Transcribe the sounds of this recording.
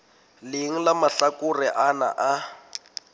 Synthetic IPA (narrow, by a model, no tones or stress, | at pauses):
lɪŋ̩lamaɬakuriʔana̰ʔa